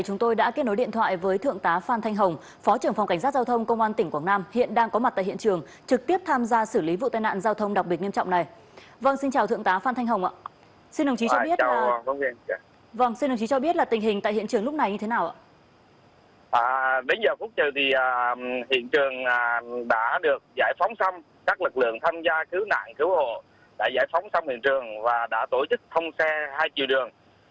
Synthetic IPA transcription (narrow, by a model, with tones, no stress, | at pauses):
jt͡ɕʊ˨˦ŋ͡mt̪o˧jɗa̰ː˧˥ke˦˥t̚no˨˦jɗḭ˧˨nt̪ʰwa̰ː˧˨jvəː˨˦jt̪ʰɨ̰˧˨əŋt̪aː˨˦faː˧nt̪ʰa˧jŋ̟ɦə˨˩wŋ͡m | fɔ˨˦t͡ɕɨ˧˩əŋfɔ˨˩wŋ͡mka˧˩ŋ̟sa˦˥t̚zaː˧wt̪ʰə˧wŋ͡mkə˧wŋ͡mʔaː˧nt̪ï˧˩ŋ̟kwaː˧˩ŋnaː˧mhḭ˧˨ənɗaː˧ŋkɔ˨˦ma˨˩t̪a̰ː˧˨hḭ˧˨ət͡ɕɨ˨˩əŋ | t͡ɕɨ˨˩k̚t̪i˦˥əp̚t̪ʰaː˧mzaː˧sɨː˧˩li˨˦vṵ˧t̪aː˧˨jna̰ː˧˨nzaː˧wt̪ʰə˧wŋ͡mɗwk͡p̚ɓi˨˩t̚ɲi˧mt͡ɕɔ̰˧˨wŋ͡mna˨˩j | və˧ŋsi˧nt͡ɕaː˨˩wt̪ɨ˧əŋt̪aː˨˦faː˧nt̪ʰjŋ̟ɦə˨˩wŋ͡mʔa̰ː˧˨ | si˧nɗə˨˩ŋ͡mt͡ɕi˨˦t͡ɕɔ˧ɓi˦˥ət͡ɕa˧wə˧˦i˧ | və˧ŋsi˧nɗwŋ͡mt͡ɕi˨˦t͡ɕɔ˧ɓi˦˥ət̚laː˨˩t̪ï˨˩ŋ̟ɦï˨˩ŋa̰ː˧˨jhḭ˧˨ət͡ɕɨ˨˩əŋlʊ˦˥k͡p̚na˨˩jɲɨ˧t̪ʰe˨˦naː˨˩wʔa̰ː˧˨ | ʔaː˨˩ɗe˨˦nzəː˨˩fu˦˥t̚t͡ɕɨ˨˩t̪ʰi˨˩ʔaː˨˩hḭ˧˨ənt͡ɕɨ˨˩əŋaː˨˩ɗa̰ː˧˥ɗɨ˨˩ək̚zaː˧˩jfa˨˦wŋ͡msa˧wŋ͡m | kaː˦˥k̚lɨ˨˩k̚lɨ̰˧˨əŋt̪ʰaː˧mzaː˧kɨ˨˦wna̰ː˧˨nkɨ˨˦who̰˧˨ | ɗa̰ː˧˥za̰ː˧˩jfɔ˨˦wŋ͡msa˧wŋ͡mhḭ˧˨ənt͡ɕɨ˨˩əŋvaː˨˩ɗa̰ː˧˥t̪o˧˩t͡ɕɨ˦˥k̚t̪ʰə˧wŋ͡msɛ˧haː˧jt͡ɕḭ˧˨ɗɨ˨˩əŋ